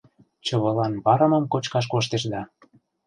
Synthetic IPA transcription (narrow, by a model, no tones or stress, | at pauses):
t͡ɕɤ̆βɤ̆lɑnβɑɾə̆mɤ̆mkot͡ɕkɑʃ̬koʃ̬t̪eʃd̪ɑ